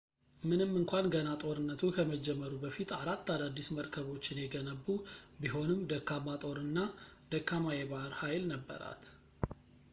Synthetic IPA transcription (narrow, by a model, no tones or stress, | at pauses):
mɨnɨmːɨŋkʷʰanɡənat̪ʼo̞ɾɨnːət̪ʰukʰəməd͡ʒɛmːəɾubəfit̪ʰaɾat̪ːad̪ad̪ːisməɾkʰəβo̞t͡ʃːɪnjɛɡənəbːubiɦo̞nɨmd̪əkːamat̪ʼo̞ɾɨnːad̪̥əkːamajeβaɾhajlnəbːə̰ɾa̰t̪